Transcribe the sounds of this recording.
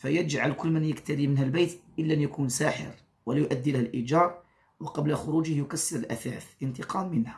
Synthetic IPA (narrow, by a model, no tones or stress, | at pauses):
fæjəd͡ʒʕalkʊlːmənjəkt̪æɾimənhælbæjt̪ʔəlːæʔnjækunsaːħɪ̰ɾ | wəlæjʊʔæd̪ːilæhælʔid͡ʒɑɾˤ | wɑqɑblæxʊɾud͡ʒəhjʊkæsːəɾəlʔæ̰fæfənt̪əqɑmːənhæ